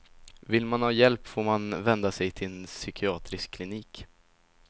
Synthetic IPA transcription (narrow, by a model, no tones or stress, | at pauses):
vɪlːmanhɑːjɛlpːfoːɾmanvɛnd̪asɛjt̪ʰɪnsʏkɪɑːt̪ɾɪskʰːlɪniːk